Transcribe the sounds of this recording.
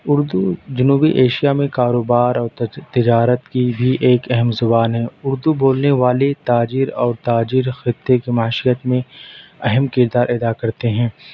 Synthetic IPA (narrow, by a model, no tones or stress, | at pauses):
ʊɾd̪ud͡ʒʊnuːbiʔeːʃijamẽkaːɾoːbaːɾɔːɾt̪ɪd͡ʒaːɾət̪kibʱiʔeːkɛɦɛmzʊbaːnɦɛ̃ːʊɾd̪uboːlneʋaːlet̪aːd͡ʒiːɾɔːɾt̪aːd͡ʒiɾxɪt̪ːekimaʃijət̪mẽɛɦɛmkɪɾd̪aːɾʔɛːd̪akɐɾt̪eɦɛ̃ː